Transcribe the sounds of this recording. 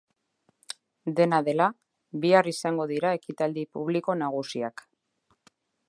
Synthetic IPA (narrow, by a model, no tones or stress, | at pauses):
d̪e̞naðe̞la | βiarisaŋɡo̞ðiɾae̞kit̪ald̪ipuβ̞liko̞naɣ̞usiak